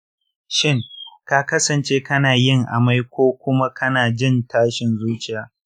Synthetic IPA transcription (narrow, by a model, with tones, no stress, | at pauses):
ʃɪ˦ŋka˦kɐ˦sɐ˨nt͡ʃeː˦kɐ˦naː˨jɪ˦˨ŋʔa̰˨ma˦jkʷoː˦kʷʊ˦ma˦kʰɐ˦naː˨d͡ʒɪ˦ntaː˦ʃɪ˨nzuː˦t͡ʃɪ˨jaː˨